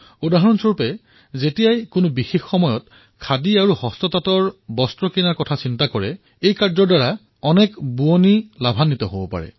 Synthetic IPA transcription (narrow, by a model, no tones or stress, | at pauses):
udaɦɔɹɔnsoɹpɛ | zetijajkʊnʊbixexːɔmɔjɔt | kʰadiaɹuhɔstɔtatɔɹbɔstɹɔkinaɹkɔtʰasintakɔɹɛ | ejkaɹzɔɹdaɹa | ɔnɛkbuonilabʱanːitɔɦobɔpa̰ɹɛ̰